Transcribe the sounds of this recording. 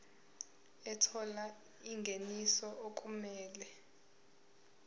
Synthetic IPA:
ɛtʰɔla | iŋɡʱenisɔʔokʼumɛːlɛ

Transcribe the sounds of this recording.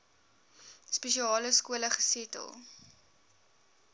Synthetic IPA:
speʃiɑːləskuələχə̥sitə̰lˠ

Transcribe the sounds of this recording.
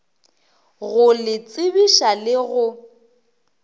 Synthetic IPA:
ɣʊlɪt͡sʼɪbiʃalɪɣʊ

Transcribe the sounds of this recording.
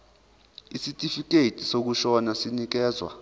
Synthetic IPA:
isitʼifik̬ʼeitʼisok̬uʃɔnasinik̬ɛːzwa̰

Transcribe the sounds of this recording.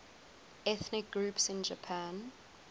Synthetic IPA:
ɛθnɪk̚ɡɹuːˑpsɪ̃nd͡ʒəpʰãn

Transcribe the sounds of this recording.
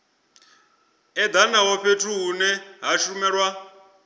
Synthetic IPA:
ɛd̪anawɔɸʰetʰuɦːnɛɦaʃumɛːɺwa

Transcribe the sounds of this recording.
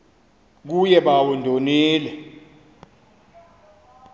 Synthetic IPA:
k̬ujɛɓawundʱoniːlɛ

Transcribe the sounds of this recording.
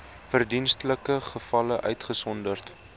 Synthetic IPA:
fərdinstələkəχəfɐləʔœɥtχəsɔndərt

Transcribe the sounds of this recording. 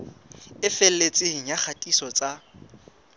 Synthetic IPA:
ɪfel̩let͡sʼɪŋ̩jak͡xʰatʼisɔt͡sʼa

